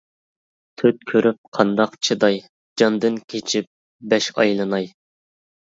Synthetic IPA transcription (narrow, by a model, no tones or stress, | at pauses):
t̪ʰøt̪̚kʲʰøɾyp̚qʰɑnd̪ɑqt͡ʃʰɨd̪ɑj | d͡ʒɑnd̪ɨnkʲʰet͡ʃʰip̚ | bɛʃɑ̰jlˠɨnɑj